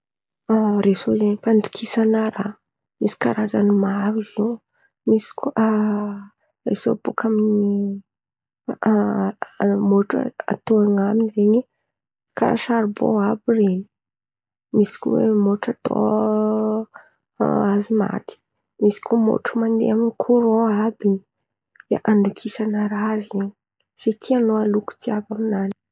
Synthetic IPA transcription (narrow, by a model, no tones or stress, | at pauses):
resozenifaɳɖ͡ʐi̥kʰisanaɾa | misi̥kaɾaza̰nimaɾwizi | misi̥kʰo | rḛso̰bukʰamini | moʈ͡ʂa̰a̰t̪oaŋaminizeɲi | kaɾa̰ʃaɾibo̰abireni̥ | misi̥kʲṵwḛmoʈ͡ʂat̪o̰ | azima̰t̪i̥ | misi̥kʲomo̰ʈ͡ʂumand̪ḛaminikʰuɾõabini | d̪̥a̰ʔaɳɖ͡ʐakʰisanaɾaziɲ | set̪ʰianoaluku̥t͡siavaminani̥